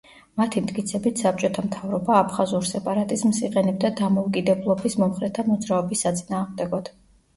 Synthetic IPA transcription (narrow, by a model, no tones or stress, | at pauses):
mat̪ʰimt̪̚ʼkʼit̪sʰɛbit̪ʰsap̚t͡ʃʼɔt̪ʰamt̪ʰavɾɔbaːpʰχazuɾsɛpʼaɾat̪ʼizmsiqʼɛnɛb̚d̪ad̪amɔukʼid̪ɛblˠɔbismɔmχɾɛt̪ʰamɔd̪zɾaɔbisːat̪sʼinaːʁmd̪ɛɡɔd̪̥